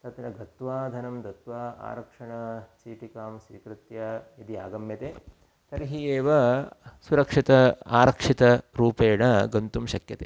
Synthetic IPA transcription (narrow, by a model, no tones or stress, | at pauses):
t̪ɐt̪ɾɐɡɐt̪ʋaːd̪ʱɐnɐmd̪ʱɐt̪ʋaːa̰ːɾɐkʂɐɳɐsiːʈikaːmsʋiːkɾɪt̪jaːid̪iaːɡɐmjɐt̪eː | t̪ɐɾɦieːʋɐsuɾɐkʂit̪ɐa̰ːɾɐkʂit̪ɐɾuːpeːɽɐɡɐnt̪umʃɐkjɐt̪eː